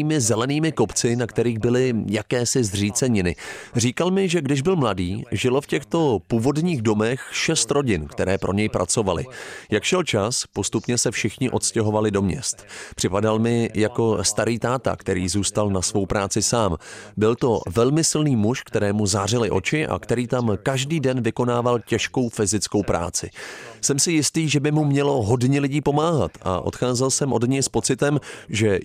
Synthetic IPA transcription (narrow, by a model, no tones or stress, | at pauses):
iːmɪzɛlɛniːmɪko̞pt͡sɪnakt̪ɛɾiːɣbɪlɪjakɛːsɪzr̝iːt͡sɛɲɪnɪr̝iːkalmɪʒɛɡdɪʒbɪlmladiːʒɪlofcɛxt̪o̞puːvo̞dɲiːɣdo̞mɛxʃɛst̪ɾo̞ɟɪnkt̪ɛɾɛːpɾʔo̞̰ɲɛjpɾʔa̰t͡so̞valɪ̰jakʃɛlt͡ʃaspo̞st̪upɲɛsɛfʃɪxɲɪʔo̞t̪scɛɦo̞valɪdo̞mɲɛ̰st̪pr̝̥ɪpadalmɪjako̞st̪aɾiːt̪aːt̪a̰kt̪ɛɾiːzuːst̪alnasvo̞wpɾaːt͡sɪsaːmbɪlt̪o̞vɛlmɪsɪlniːmuʃkt̪ɛɾɛːmuzaːr̝ɪlɪʔo̞t͡ʃɪʔa̰kt̪ɛɾiːt̪amkaʒdiːdɛnvɪko̞naːvalcɛʃko̞wfɪzɪt͡sko̞wpɾʔa̰ːt͡sɪ̰sɛmsɪjɪst̪iːʒɛbɪmumɲɛlo̞ɦo̞dɲɛlɪɟiːpo̞maːɦat̪a̰ʔo̞̰t̪xaːzɛlsɛmʔo̞dɲɛjspo̞t͡sɪt̪ɛmʒɛ